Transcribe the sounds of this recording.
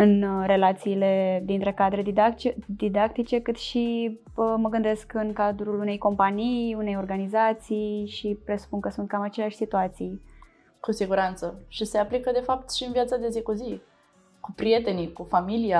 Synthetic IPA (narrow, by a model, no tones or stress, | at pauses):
ɨnɾe̞lat̪siːle̞d̪int̪ɾe̞kad̪ɾe̞d̪id̪akt͡ʃd̪id̪ak̚t̪it͡ʃe̞kɨt̪ʃi | əməɡɨnd̪e̞skɨnkad̪ɾulune̞jko̞mpanijune̞jo̞rɡanizat̪sijʃipɾe̞su̥punkəsunt̪̚kamat͡ʃeleaʃʲsit̪uat̪sij | kusiɡuɾant̪səʃise̞aplikəd̪e̞fap̚t̪ʃiɨnviat̪sad̪e̞zikuzi | kupɾie̞t̪e̞nikufamilia